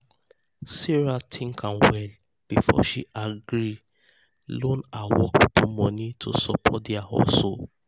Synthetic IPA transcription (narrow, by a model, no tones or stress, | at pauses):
sɛɹatʰĩŋkʰãnwɛl | b̥ifɔ̰ʃiʔaɡɾi | lõnawɔktumɔ̃nitʰosɔpʰɔt̚dɛahɔ̰so